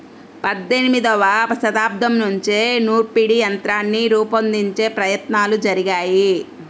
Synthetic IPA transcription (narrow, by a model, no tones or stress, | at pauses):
pɐd̪ːe̞nimid̪ɐʋaɐsɐt̪aːb̚d̪ʱɐmnuɲt͡ʃenuːɾpiɽijɐnt̪ɾaːnːiɾuːpɐnd̪iɲt͡ʃe̞ːpɾɐjɐt̪naːlud͡ʒɐɾiɡaːji